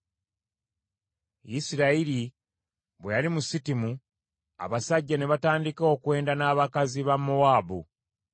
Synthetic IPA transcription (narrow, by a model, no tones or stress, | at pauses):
jisiɾaiɾi | βwejalimusitimu | a̰βasaɟːane̞βataːndiko̞ːkwe̞ːndanaːβakaziβamːowaːbu